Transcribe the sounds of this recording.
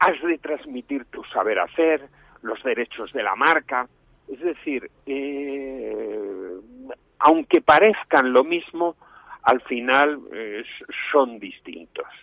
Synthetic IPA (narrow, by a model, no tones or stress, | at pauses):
azðe̞t̪ɾazmit̪iɾt̪usaβ̞e̞ɾa̰θeɾ | lo̞zðe̞ɾe̞t͡ʃozðe̞la̰maɾka | ezðe̞θiɾe | awŋke̞paɾe̞θkanlo̞mizmo | alfinalsso̞nd̪ist̪ḭnt̪o̞s